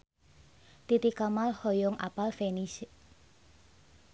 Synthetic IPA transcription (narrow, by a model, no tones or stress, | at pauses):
t̪it̪ikamalhɔjɔŋʔa̰palfenis